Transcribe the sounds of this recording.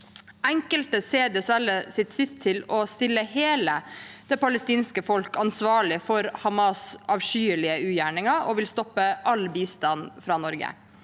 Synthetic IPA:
ɛŋkəlt̪əseːd̪ɛsɛləsɪt̪sɪt̪ʰːɪlɔst̪ɪlːəheːləd̪̥ɛpʰɑləst̪iːnskəfɔlkɑnsʋɑːɭɪfɔɾhɑmɑsɑʋʂyːɭɪəʉːjæːɳɪŋɑɔʋɪlst̪ɔpːəʔɑlbiːst̪ɑnfɾɑːnɔɾɡə̰

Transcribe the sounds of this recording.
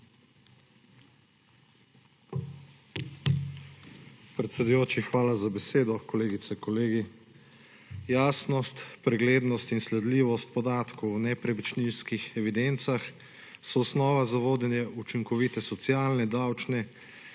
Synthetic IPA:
pɾɛt̪sʲɛd̪ujoːt͡ʃixʋaːlazabɛseːd̪ɔkɔleːɡit̪sɛkɔleːɡi | jaːsnɔst̪pɾɛɡleːd̪nɔst̪inslɛd̪liːʋɔst̪̚pɔd̪aːt̪kɔwnɛpɾɛʋit͡ʃnilskixɛʋid̪ent̪sax | sɔɔsnɔːʋazaʋoːd̪jɛnjɛut͡ʃiŋkɔʋiːt̪ɛsɔt̪siaːlnɛd̪awt͡ʃnɛ

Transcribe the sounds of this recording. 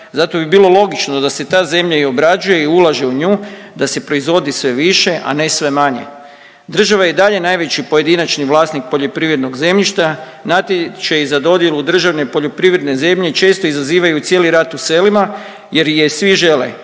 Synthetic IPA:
zat̪o̞bibilˠo̞lˠo̞ɡit͡ʃno̞d̪ase̞t̪aːze̞mʎaio̞bɾad͡ʒuje̞iulˠaʒeuɲuː | d̪ase̞pɾo̞izʋo̞d̪isʋe̞ʋiʃe̞ʔa̰ne̞sʋe̞maɲḛ | d̪r̩ʒaʋajed̪aʎe̞najʋe̞t͡ɕipo̞je̞d̪inat͡ʃniʋlˠaːsnik̚po̞ʎo̞pɾiːʋɾe̞d̪no̞ɡze̞mʎiʃt̪a | nat̪jet͡ʃejizad̪o̞d̪je̞lud̪r̩ʒaʋne̞po̞ʎo̞pɾiʋɾed̪ne̞ze̞mʎe̞t͡ʃe̞ːst̪o̞izaziːʋajut̪sjeliɾat̪use̞lima | je̞ɾjesʋiʒe̞lḛ

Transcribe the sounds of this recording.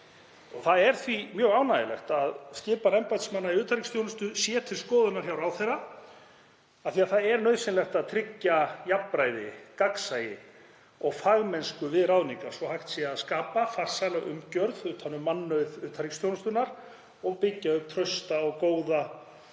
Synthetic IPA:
ɔɣθaðɛɾ̥θvimjœːɣaːwnajɪ̰lɛ̰xt̪aðscɪːpanɛmpajt̪smanːaiʏːt̪ʰaɾikst̪ʰjownʏst̪ʏsjɛːt̪ʰɪlskɔːðʏnaɾ̥çawɾawθejra | aθiaðθaðɛɾnœɥsɪnlɛxt̪aðt̪ʰɾɪcːajapːɾajðɪ̰kaksajɪ | ɔɣfaɣmɛnskʏvɪðɾawðniŋkasvɔhajxt̪siaðskaːpafar̥salaɣʏ̰mcœɾðʏt̪ʰanːʏmːanːœðʏːt̪ʰaɾikst̪ʰjownst̪ʏnaɾ̥ | ɔɣpɪcːaʏmt̪ʰɾœɥst̪aɔɣkoːwða

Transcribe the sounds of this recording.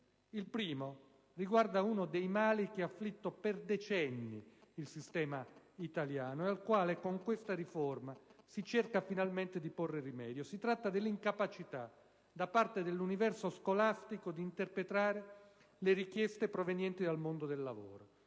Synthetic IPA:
ilpɾiːmo | riɡward̪auːnod̪ejmaːlikeafːlit̪ːoperd̪et͡ʃɛnːḭilsist̪ɛːmait̪aljaːnoealkwaːlekoŋkwest̪ariformasit͡ʃerkafinalment̪ed̪iporːerimɛ̰ːd̪josit̪ɾat̪ːad̪elːiŋkapat͡ʃit̪a | d̪apːart̪ed̪elːunivɛrsoskolast̪ikod̪iːnt̪erpɾet̪ɾaːɾe | leɾikjɛst̪epɾovenjɛnt̪id̪almond̪od̪elːavo̰ːɾo

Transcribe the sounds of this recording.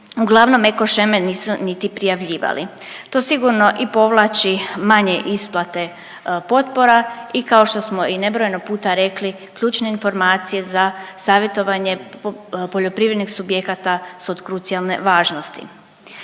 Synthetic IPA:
uɡlˠaʋno̞meko̞ʃemeniːsunit̪ipɾijaʋʎiːʋa̰lḭ | t̪o̞siɡuɾno̞ʔipo̞ʋlˠat͡ʃimaɲe̞ʔisplˠat̪e̞ | po̞t̪po̞ɾaikao̞ʃt̪o̞smoine̞bɾojenoɡ̚puːt̪aɾe̞kli | kʎuːt͡ʃne̞info̞ɾmaːt̪sije̞zasaːʋje̞t̪o̞ʋaɲe̞ | poʎo̞pɾiʋɾed̪nixsubje̞kat̪asuod̪kɾut̪sijalne̞̰ʋaːʒnost̪ḭ

